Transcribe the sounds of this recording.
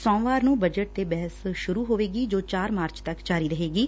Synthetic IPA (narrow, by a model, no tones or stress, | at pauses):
sɔ̃ːʋaːɾnũːbəd͡ʒəʈ̚t̪eːbɛɦəsʃʊɾuːɦoːʋeːɡiːd͡ʒoːt͡ʃaːɾmaːɾt͡ʃt̪əkd͡ʒaːɾiːɾəɦeːɡiː